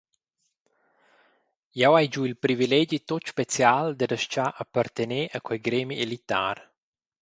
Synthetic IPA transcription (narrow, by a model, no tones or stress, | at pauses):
jawajd͡ʒuilpɾivilɛd͡ʒit̪ot̪ʃpet͡sjald̪ədəʃt͡ʃaʔəpərt̪eneʔəkwɛjɡɾemielit̪a̰r